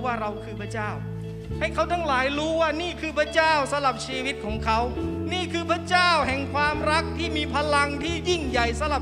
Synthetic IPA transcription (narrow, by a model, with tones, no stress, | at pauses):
waː˥˩ɾa˧wkʰɯː˧pʰa˧˥˩t͡ɕaː˥˩w | ha˥˩jkʰa˦˥˩wt̪ʰaː˧˥˩ŋlaː˩˦jɾuː˦˥waː˥˩niː˥˩kʰɯː˧pʰɾa˧˥˩t͡ɕaː˥˩wsa˧˦mla˨˩p̚t͡ɕʰiː˧wi˦˥t̪̚kʰɔː˩˦ŋkʰa˦˥wniː˥˩kʰɯː˧pʰɾa˥˩t͡ɕaː˥˩whɛ˨˩ŋkʰwaː˧mɾa˦˥k̚t̪ʰiː˥˩miː˧pʰa˧la˧ŋt̪ʰiː˥˩ji˥˩ŋja˨˩jsa˨˦la˨˩